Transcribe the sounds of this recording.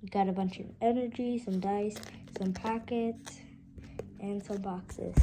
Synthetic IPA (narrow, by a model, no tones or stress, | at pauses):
jɡɑɾəbʌ̃nt͡ʃʌ̰vɛnə˞d͡ʒisʌ̃mdaɪsːʌ̃mpʰækɪt | ʔɨ̃nsʌ̃mbɑksɪ̰z̥